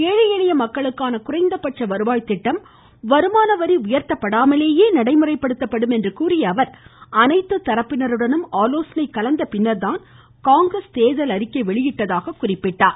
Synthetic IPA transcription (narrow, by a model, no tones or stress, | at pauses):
eːɻɪjɛɽɐjɐmɐkːɐɭɯkːaːnɐkʊrɐɪnd̪ɐpːɐʈ̚t͡ʃːɐʋɐɾɯʋaːjt̪ːɪʈːɐm | ʋɐɾɯmaːnɐʋɐɾiʊjɐɾt̪ːɐpːɐɽaːmɐleːjeːnɐɽɐɪmɯrɐɪpːɐɽɯt̪ːɐpːɐɽɯmɛndrɯkuːrɪjɐːʋɐɾɐnɐɪt̪ːɯt̪ːɐɾɐpːɪnɐɾɯɽɐnɯmaːloːsɐnɐɪkːɐlɐnd̪ɐpɪnːɐɾðaːn | kaːŋɡɾɐst̪eːðɐlɐɾɪkːɐɪʋɛɭɪjɪʈːɐðaːɣɐkʊrɪpːɪʈːaːɾ